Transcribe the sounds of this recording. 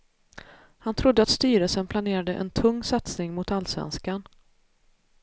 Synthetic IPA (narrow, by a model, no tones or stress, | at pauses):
hant̪ʰɾʊd̪ːəat̪st̪yːɾəlsənpʰlaneːɾad̪əʔɛ̰nt̪ʰɵŋːsat̪snɪŋmʊt̪alːsvɛ̰nskan